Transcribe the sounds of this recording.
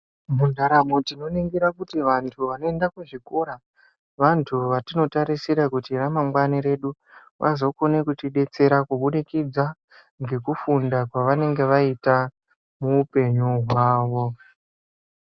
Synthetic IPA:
mundaɾamotino̞niŋɡiɾakutiʋantʰuʋano̞e̞ndakweʐiko̞ɾa | ʋantʰuʋatino̞taɾisiɾakutiramaŋɡwaniɾe̞ɗu | ʋʔa̰zo̞kone̞kutiɗe̞t͡se̞ɾakuɓuɗikid͡za | ŋɡe̞kufundakwaʋane̞ŋɡe̞ʋaita | muːpe̞ɲuɦwaːʋo̞

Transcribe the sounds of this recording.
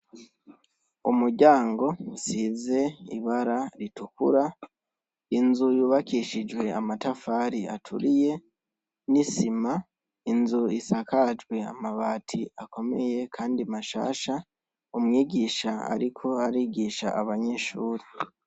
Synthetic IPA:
umuɾɟaːŋɡo̞size̞ḭβaɾaɾitukṵɾa | inzujuːβakiʃid͡ʒwe̞amatafaːɾiatʰṵɾije̞ | nisima | inzuisakad͡ʒwe̞a̰maβaːtʰiako̞me̞je̞kʰaːndimaʃa̰ːʃa | umŋiːɡiʃaa̰ɾikʰo̞aɾiːɡiʃa̰ʔaβaɲe̞ʃuːɾi

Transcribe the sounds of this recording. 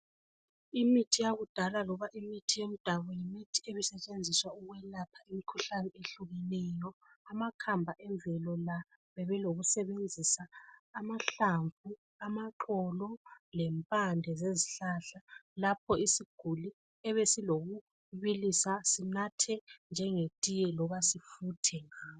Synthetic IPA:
imitʰijaɣud̥ʱalalɔβaʔimitʰijem̩d̥ʱaβɔjimitʰieβisɛt͡ʃʼend͡zʱiswauɣwɛlapʰaimikʰuɬanɛeɬuɣɛnɛjɔ | amakʰambʱaʔɛɱvʱɛlɔla | βɛβɛloɣusɛβend͡zʱisaːmaɬaɱfu | amaǃɔlɔlɛmpʼandʱɛzeziɬaɬalap̚ʰɔisiɡ̥ʱuli | ɛβesiloɣu | βilisasinatʰɛnd͡ʒʱɛŋetʼijɛlɔβasifutʰɛŋaː

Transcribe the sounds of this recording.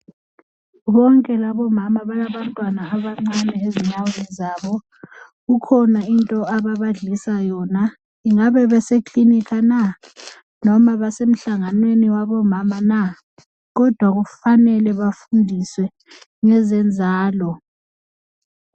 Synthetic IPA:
βɔŋkʼɛlaβɔmamaβalaβantʼwanaːβaŋ͡ǀanɛeziɲawelizaːβɔ | ɣukʰɔnaintʼɔaβaβaɮisajɔna | iŋaβɛβɛsekʰʼlinikʰana | nɔmaβasem̩ɬaŋanweniwaβɔmamana | ɣɔd̥ʱwaɣufanɛlɛβafundʱiswɛ | ŋɛzɛnd͡zʱaːlɔ

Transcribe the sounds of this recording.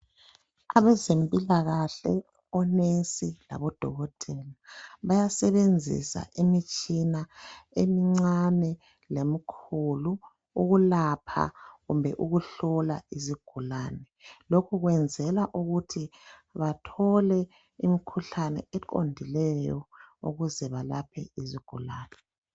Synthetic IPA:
aβɛzempʼilaɣaɬɛ̰ | ɔnensʼila̰βɔd̥ʱɔɣɔd̥ʱɛlaβajasɛβend͡zʱḭsa̰ʔimit͡ʃʼinaemiŋ͡ǀanɛ | lemikʰulu | uɣulapʰa̰ɣumbʱɛʔuɣuɬɔlaiziɡ̥ʱulaːnɛlokʰuɣwɛnd͡zʱɛlaʔuɣutʰiβatʰɔlɛ | imikʰuɬanɛ̰ɛǃʼo̰ndʱilɛjɔ̰ṵɣuzɛβalapʰɛ̰iziɡ̥ʱulaːnɛ

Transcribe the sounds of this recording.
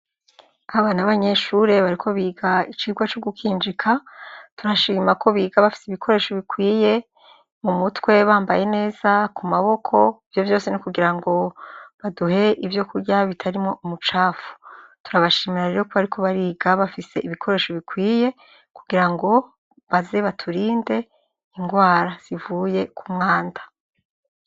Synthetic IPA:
aβanaβaɲe̞ʃuɾe̞βaɾikʰo̞βiːɡait͡ʃiːɡwat͡ʃoɡukʰiːnd͡ʒikʰatuɾaʃiːmako̞βiːɡaβafi̥seiβikʰo̞ɾe̞ːʃo̞βikwiːje̞ | mumutwe̞βaːmbaje̞ne̞ːz̥akumaβo̞kʰo̞ivjo̞vjo̞ːsenikuɡiɾaŋɡo̞βaduhe̞ʔivjo̞kuɾɟaβitʰaɾimŋo̞ʔumut͡ʃaːfu̥tuɾaβaʃiːmiɾaɾe̞ɾo̞ko̞βaɾikʰo̞βaɾiːɡaβafise̞ʔiβikʰo̞ɾe̞ːʃo̞βikwiːje̞ | kuɡiɾaŋɡo̞ | βaze̞βatʰuɾiːnde̞ | iŋɡwaːɾaz̥ivuːje̞kʰumŋaːnda

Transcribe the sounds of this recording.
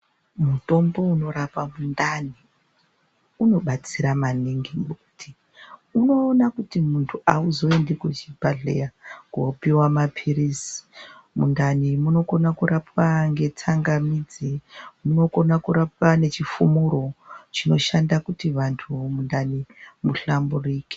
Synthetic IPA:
muto̞mbo̞uno̞ɾapamundani | uno̞ɓat͡siɾamaniŋɡiŋɡeku̥ti | uno̞ːnakutimuntʰuʔauzo̞e̞ndekut͡ʃibaɮḛjakopiwamapʰiɾisi̥mṵndanimuno̞ko̞nakuɾapwaŋɡe̞tʰaŋɡamid͡zemuno̞ko̞nakuɾap̚ane̞t͡ʃifumuɾo̞t͡ʃino̞ʃandakutiʋantʰumundanimuɬamburiːke̥

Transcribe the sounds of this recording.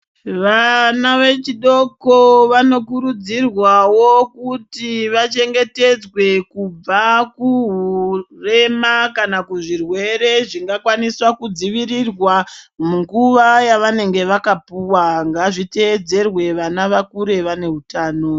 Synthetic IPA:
ʋanaʋe̞t͡ʃiɗo̞koʋano̞kuɾud͡zirwawo̞kutiʋat͡ʃe̞ŋɡe̞te̞d͡zwe̞kub͡vakuɦure̞makanakuʐirwe̞ɾe̞ʐiŋɡakwaniswakud͡ziʋirirwamuŋɡuʋajaʋane̞ŋɡe̞ʋakapuwaŋɡaʐite̞ːd͡ze̞rwe̞ʋanaʋakuɾe̞ʋane̞ɦutaːno̞

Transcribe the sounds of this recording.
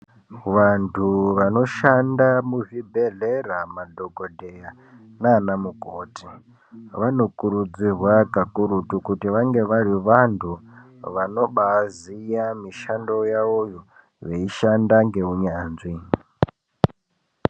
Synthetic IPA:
ʋantʰuʋano̞ʃandamuʐibʱeɮeramadʱoɡodʱeja | naːnamukoːti | ʋano̞kuɾud͡zirwakakuɾutukutiʋaŋɡe̞ʋaɾiʋantʰu | ʋano̞ɓazijamiʃando̞jaojo | ʋeiʃandaŋɡe̞uɲaːnzi

